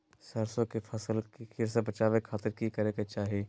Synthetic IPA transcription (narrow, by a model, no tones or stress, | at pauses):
səɾsõkefʰɐsəlkikɪɾsebɐt͡ʃaːʋekʰːaːt̪ɪɾkikɐɾeket͡ʃaːɦie